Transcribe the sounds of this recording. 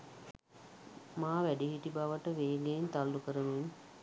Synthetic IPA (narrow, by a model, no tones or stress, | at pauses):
maːʋæɖiɦiʈibaʋəʈəʋeːɡeːnt̪alːukəɾəmin